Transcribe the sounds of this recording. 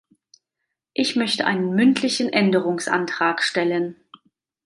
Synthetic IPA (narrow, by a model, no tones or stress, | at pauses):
ʔɪçmœçtəʔaɪnənmʏntʰlɪçn̩ʔɛndəʁʊŋsʔa̰ntʁ̥aːkʃtɛlən